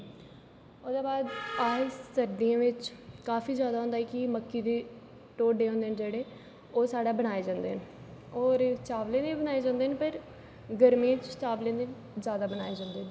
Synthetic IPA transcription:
ʊd̪aːbaːd̪aːsəɾd̪ijãːʋɪt͡ʃkaːfiːzjaːd̪aːɦʊ̃nd̪aːɦɛːkɪməkːiːd̪eː | ʈoːɖeːɦõːnd̪eːnd͡ʒeːɽeː | oːsaːɽaːbənaːeːd͡ʒãːnd̪ḛːɦənoːɾt͡ʃaːʋlẽːd̪eːibənaːeːd͡ʒãːnd̪eːɦnpəɾ | ɡəɾmĩːt͡ʃt͡ʃaːʋlẽːd̪e | zjaːd̪aːbənaːed͡ʒãːnd̪eː

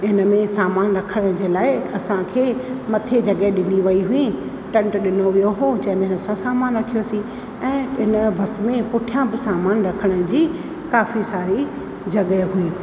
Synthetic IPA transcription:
ɪnəmẽsaːmaːnɾɐkʰəɽ̃ə̆d͡ʑeːlaːɪɐsãkʰeːmɐt̪ʰed͡ʑɐɡeɗɪ̃niʋɐiɦʊĩ | ʈɐ̃ɳʈɗɪnoʋijoɦod͡ʑɐ̃ɦɪ̃mẽɐsãsaːmaːnɾɐkʰijosĩ | ɛ̃ːɪnə̆bʱɐsmẽpʊʈʰijãbɪsaːmaːnɾɐkʰəɽ̃əd͡ʑiː | kaːfisaːɾi | d͡ʑɐɠəɦui

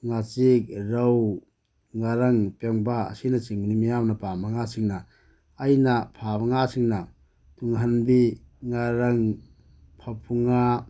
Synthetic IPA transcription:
ŋat͡ʃik̚ɾɐw | ŋaɾɐŋpeŋbaɐ̰sinɐt͡ʃiŋbinimijamnɐpamɐŋasiŋnɐː | jnɐpʰabɐŋasiŋnɐ | tuŋɦɐnbiŋaɾɐŋ | pʰɐpʰuŋa

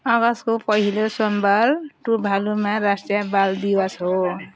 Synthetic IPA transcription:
ʌɡʌskopʌɦilosɔmbʱalʈubʱalumaɾasʈjabald̪iwʌsɦo

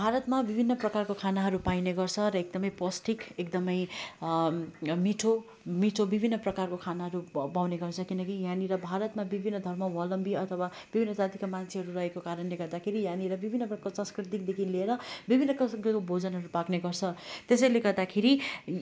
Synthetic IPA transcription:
bʱaɾʌt̪mabibʱinːʌprʌkarkokʰanaɦʌɾupajneɡʌrt͡sʰʌɾʌek̚d̪ʌmʌjplʌsʈikekd̪ʌmʌj | miʈʰo | miʈʰobibʱinːʌprʌkarkokʰanaɦʌɾupawneɡʌrt͡sʰʌkinʌkijãniɾʌbʱaɾʌt̪mabibʱinːʌd̪ʱʌrmʌwʌlʌmbiʌt̪ʰʌwa | b̥ibʱinːʌd͡zat̪ikamant͡sʰeɦʌɾurʌɦekokaɾʌnleɡʌrd̪akʰeɾijãniɾʌbibʱinːʌpksãnskrit̪ik̚d̪ekʰileɾʌbibʱinːʌkʌsɡʌkobʱod͡zʌnɦʌɾupakneɡʌrt͡sʰʌt̪esʌjleɡʌrd̪akʰeɾi

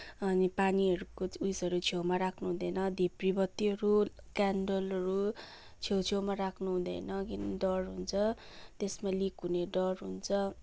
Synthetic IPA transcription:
ʌnipaniʌɾukoujsʌɾut͡sʰjewmaɾakʰnuɦũd̪ʌjnʌd̪ʱepribʌt̪ːiʌɾu | kaɳɖolʌɾu | t͡sʰewt͡sʰewmaɾakʰnuɦũd̪ʌ̰jnʌkinɖʌrɦunt͡sʰʌ | t̪esmalikɦuneɖʌrɦunt͡sʰʌ

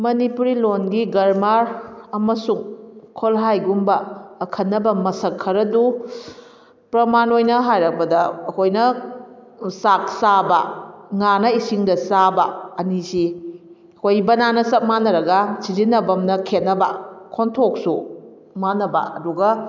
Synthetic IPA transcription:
mɐnipuɾilonɡiɡɐɾmaɾɐmɐsuŋkʰolɦajɡumbɐːkʰɐnːɐbɐmɐsɐkʰːɐɾɐdu | pɾɐmanojnɐɦajɾɐk̚pɐdɐːkʰojnɐ | sak̚sabɐ̰ŋanɐisiŋdɐsabɐɐnisi | ɐkʰojibɐnanɐsɐk̚manːɐɾɐɡɐsizinːɐbɐmnɐkʰet̚nːɐbɐ̰kʰontʰok̚su | manːɐbɐ̰ɐ̰duɡɐ

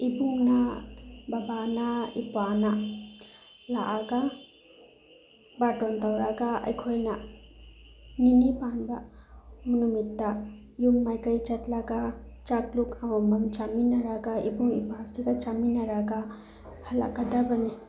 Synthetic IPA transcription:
ibuŋnababanaipana | laʔaɡa | baʈɔntawɾaɡaa̰jkʰojna | ninibanbamunumit̪ːaijumːajkajt͡ʃatlaɡat͡ʃaklukʰamamamt͡ʃaminaɾaɡaibuŋḭpasiɡat͡ʃaminaɾaɡa | hɐla̰ɡadabani

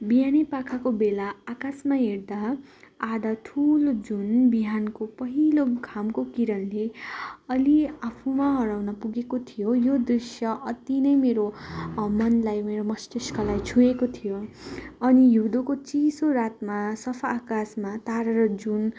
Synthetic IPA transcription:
bijanipakʰakobelaːkasmaɦeɾd̪a | ad̪at̪ʰulod͡zunbiɦankopʌɦiloɡʱamkokiɾʌnleʌliapʰumaɦʌɾawnʌpuɡekot̪ʰijojod̪risjʌʔʌt̪inʌjmeɾomʌnlajmeɾomʌsʈiskʌlajt͡sʰuekot̪ʰijoʌnijud̪okot͡sisoɾat̪masʌpʰaːkasmat̪aɾʌɾʌd͡zun

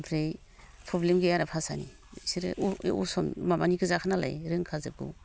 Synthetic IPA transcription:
mpʰɾej | pʰɔblemɡɯjaɾapʰasa̰nḭ | siɾ̰usɔnmamaniɡɯzakʰanala̰jɾɯŋkʰazɯɡṵ

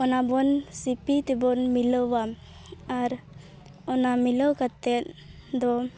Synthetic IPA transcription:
ɔnabɔnsipit̪ɛbɔnmiləwam | aɾ | ɔnamiləwkat̪ɛt̪̚d̪ɔ

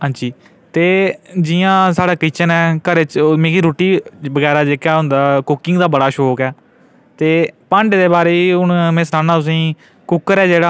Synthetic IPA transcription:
ɦãːnd͡ʒiː | t̪eːd͡ʒijãːsaːɽaːkit͡ʃənɛːkəɾet͡ʃmẽːkiːɾoːʈiːbəɡɛːɾaːd͡ʒeːkaːɦʊ̃nd̪aːkʊkɪŋɡd̪aːbəɽaːʃɔːkɛː | t̪eːpə̃ɳɖd̪eːbaːɾeːiːʊnmẽːsnãːnaːt̪ʊs̬ĩː | kʊkːəɾɛːd͡ʒeːɽaː

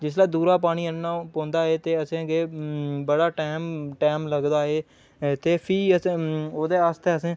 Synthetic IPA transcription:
d͡ʒɪslaːd̪uːɾaːpaːɽ̃iːənnãːpõːnd̪aːɦeːt̪eːəsẽːɡeːbəɽaːʈeːmʈɛːmləɡd̪aːɦeː | t̪eːpʰiːəsẽoːd̪eːaːst̪eːəsẽː

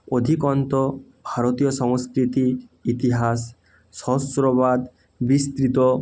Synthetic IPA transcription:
od̪ʱikɔnt̪ɔbʱaɾot̪ijɔsɔŋskɾit̪iːt̪iɦas | sɔsɾɔβad̪ | bist̪ɾit̪ɔ

